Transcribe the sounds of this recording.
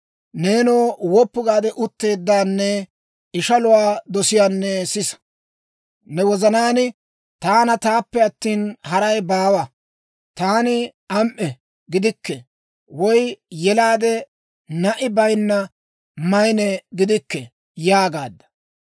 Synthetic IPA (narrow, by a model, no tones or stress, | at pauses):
ne̞ːnoːwɔpːʊɡaːd̪ɛʔʊt̪ːe̞ːd̪ːaːnːɛ | ɪʃɐlʊwaːd̪ɔsɪjaːnːɛsɪs | nɛwɔzɐnaːnɪ | t̪aːnɐt̪aːpːɛɐt̪ːiːnhɐɾɐjbaːwɐ | t̪aːnɪ | ɐmʔɛ | ɡɪd̪ɪkːɛ | wɔjjɛlaːd̪ɛ | nɐʔɪbɐjnːɐ | mɐjnɛɡɪd̪ɪkːɛ | jaːɡaːd̪ːɐ̥